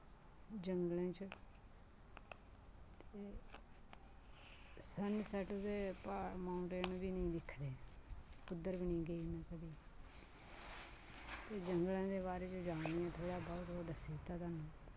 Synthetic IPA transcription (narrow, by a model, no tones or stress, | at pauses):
d͡ʒəŋɡlẽːt͡ʃə | t̪e | sənsəʈd̪eːpamaːʊɳʈeːnbiːnĩːd̪ɪkʰd̪eːkʊd̪ːəɾbiːnĩːɡəiːmɛ̃ːkəd̪iː | t̪eːd͡ʒəŋɡlãːd̪eːβaːɾeːt͡ʃod͡ʒaːijãːt̪ʰoːɽaːbɔːt̪oːd̪əseːt̪aːt̪aːnũː